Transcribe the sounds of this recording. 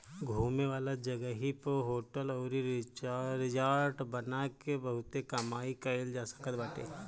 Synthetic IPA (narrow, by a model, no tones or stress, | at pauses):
ɡʱuːmeʋaːlad͡ʒɐɡəɦipəɦoːʈəlɔːɾiɾɾɪd͡ʒaːɾʈbɐnakebɐɦʊt̪ekɐmaːikɐeld͡ʒaːsə̥kəɾbaːʈḛː